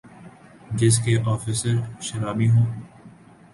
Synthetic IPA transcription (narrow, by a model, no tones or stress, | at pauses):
d͡ʒɪs̬keʔɔːfiːsəɾʃɐɾaːmiɦõː